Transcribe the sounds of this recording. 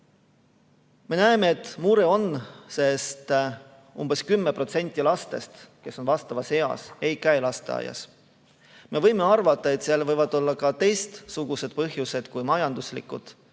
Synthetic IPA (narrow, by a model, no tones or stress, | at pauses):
me̞næeme̞ːt̪muɾe̞o̞nse̞st̪ | umb̥e̞skymːepro̞t̪se̞nʲt̪ʲːˑilɑst̪e̞̰st̪ke̞so̞nvɑst̪ɑvɑshe̞ɑ̰se̞jkæjlɑst̪e̞ɑ̰jɑ̰s | me̞vɤjme̞ɑrvɑt̪ːˑɑe̞t̪siɑlvɤjvɑd̪̥o̞lːɑkɑt̪e̞jst̪suɡ̥use̞d̪̥̚pɤɦjuse̞d̪̥kujmɑjɑnd̪uslḭkːˑud̪̥